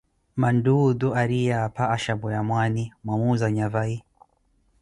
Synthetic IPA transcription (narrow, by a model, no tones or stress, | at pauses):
mandud̪ɔaɾijapaːʃabɔjamwanimwamuzaɲavai